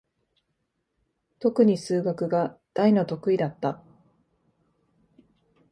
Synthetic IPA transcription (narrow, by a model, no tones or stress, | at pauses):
t̪o̞kɯ̟ɲ̟isɨːɡakɯ̟ɡad̪̥aino̞t̪o̞kɯ̟id̪at̪ːa